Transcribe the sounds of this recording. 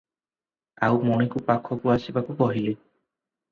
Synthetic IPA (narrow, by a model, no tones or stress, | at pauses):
awmɔɽ̃ikupakʰɔkuasibakupɔɦile